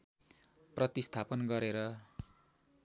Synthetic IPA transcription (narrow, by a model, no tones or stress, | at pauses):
prʌt̪ist̪ʰapʌnɡʌɾeɾʌ